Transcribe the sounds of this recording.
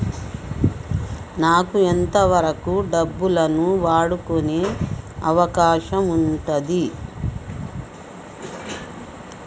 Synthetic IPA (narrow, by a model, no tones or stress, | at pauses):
naːkuent̪ɐʋɐɾɐkuɖɐbːulɐnuʋaːɽukone̞ːɐʋɐkaːʃɐmuɳʈɐd̪i